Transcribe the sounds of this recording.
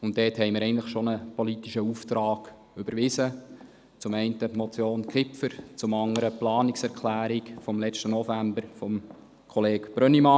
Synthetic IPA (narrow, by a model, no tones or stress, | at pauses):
ʊnt̚ːɛːthɛɪmɪɾɛɪɡntləχʃonəpɔlitiʃəuːft̪ɾɑːɡ̥ | ybəɾʋɪsə | t͡sʊmɛɪntəmɔt͡sjoːnkʰɪpfəɾt͡sʊmɑŋəɾəplɑːniksɛʁkʰlæːɾikfɔmlɛt͡ʃtənɔfæmbəɾfɔm | kʰɔleːkb̥ɾœnimɑ